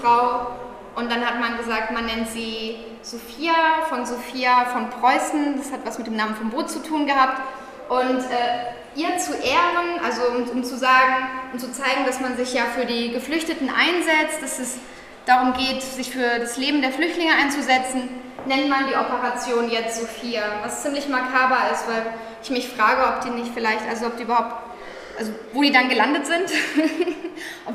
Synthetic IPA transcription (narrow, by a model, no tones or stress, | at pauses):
ʁ̥aʊ | ʔʊntd̥anhatmanɡəzaːk̚tmanːɛntz̥iː | z̥ofiːafɔnzofiːafɔnpʁ̥ɔʏsn̩dashatv̥asmɪt̚d̥eːmnaːmənfɔnboːtt͡sutʰuːnɡəhaːp̚t | ʔʊntʔɛː | ʔiːɐt͡suʔeːʁənʔalzoʊmʊmt͡suzaːɡŋ̩ʔʊnt͡sut͡saɪɡŋ̩dasmanzɪçjaːfyːɐdiːɡəflʏçtətn̩ʔa̰ɪnzɛt͡st̚d̥asɛs | d̥aʁʊmɡeːtz̥ɪçfyːɐdasleːbm̩deːɐflʏçtlɪŋəʔaɪnt͡suzɛt͡sn̩ | nɛntmandiːʔɔpəʁat͡sjoːnjɛt͡stz̥ofiːavast͡siːmlɪçmaɐkʰaːblaɪstv̥aɪl | ɪçmɪçfʁ̥aːɡəɔp̚d̥iːnɪçtfɪlaɪçtʔalzoɔp̚d̥iːʔybɐhaʊp̚t | ʔalzovoːdiːdanɡəlandətz̥ɪnt | ʔɔp